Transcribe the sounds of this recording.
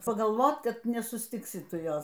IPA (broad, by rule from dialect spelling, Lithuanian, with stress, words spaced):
pɐɡɐlˠˈʋoːt ˈkɐt nʲɛsʊsʲˈtʲɪksʲɪ ˈtʊ ˈjoːs